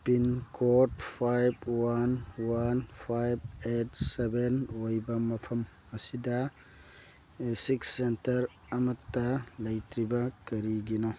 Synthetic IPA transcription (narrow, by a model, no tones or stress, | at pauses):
pinkʰot̚pʰajbwanwanpʰajb̚etsebenojbɐmɐpʰɐm | ɐsidɐ | siksːentɐɾ | ɐmɐtːɐlɐjtɾibɐkɐɾiɡino